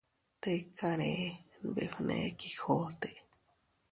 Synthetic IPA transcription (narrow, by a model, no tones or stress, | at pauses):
t̪ekaɾebḛfɨnḛkixot̪e